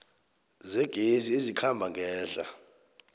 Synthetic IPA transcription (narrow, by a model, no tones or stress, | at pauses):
zɛɡ̥ʱeziezikʰambʱaŋɡʱɛːɬa̰